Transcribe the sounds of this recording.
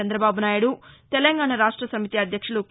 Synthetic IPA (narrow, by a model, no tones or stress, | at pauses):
ɐnd̪ɾɐbaːbunaːjuɽut̪ɛlɐŋɡaːɳɐɾaːʂʈɾɐsɐmit̪iɐd̪ʱjɐkʂulu